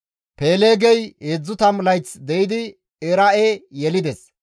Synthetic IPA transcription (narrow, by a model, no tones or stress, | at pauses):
peːleːɡɛjeːd͡zːʊt̪ɐmlɐjt͡sd̪ɛjɪd̪ɪ | eɾɐʔejɛlɪd̪ɛs